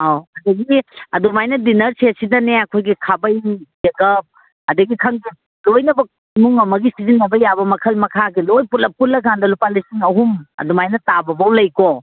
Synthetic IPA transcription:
awɐdɐɡiɐdumajnɐdinɐɾsesidɐneɐkʰojɡikʰabɐjzeɡɐp̚ | ɐdɐɡikʰɐŋɡi | lojnɐbɐ | muŋɐmɐɡisizinːɐbɐjabɐmɐkʰɐlmɐkʰaɡilojputlɐput̚lːɐɡandɐlupalisiŋɐɦumɐ̰dumajnɐtabɐbɐwlɐjko

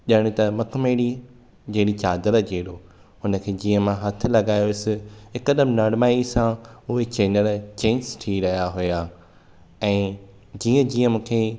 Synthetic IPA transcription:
ʄɐɽ̃ɪ̃t̪ɐmɐkmeːɽi | d͡ʑẽːɽit͡ɕaːd̪əɾəd͡ʑeːɗo | ɦʊnə̆kʰeːd͡ʑiːə̃mãɦɐt̪ʰɪ̆lɐɡaːjoɪsɪ̆ɦɪkəɗəmnɐɽmaːisãʊɦet͡ɕeːnəlt͡ɕẽːnsʈʰiɾɐɦijaɦʊjaː | ɛ̃ː | d͡ʑiːə̃d͡ʑiːə̃mũːkʰeː

